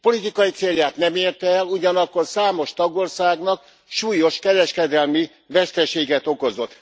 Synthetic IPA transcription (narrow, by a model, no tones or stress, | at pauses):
po̞lit̪ikɒjit̪seːljaːt̪nɛmeːrt̪ɛɛluɟɒnɒkːo̞rsaːmo̞ʃt̪ɒɡorsaːɡnɒk | ʃuːjo̞ʃkɛɾɛʃkɛd̪ɛlmi | vɛst̪ɛʃeːɡɛt̪o̞ko̞zo̞t̪ː